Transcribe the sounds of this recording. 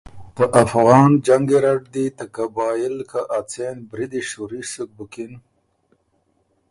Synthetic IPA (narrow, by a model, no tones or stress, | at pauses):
d̪̥əʔafɣɑːnd͡ʒaŋɡeɾaɖd̪it̪ɐkabɑːjɪlkaʔat͡senbɾid̪iʃuɾisuk̚bukin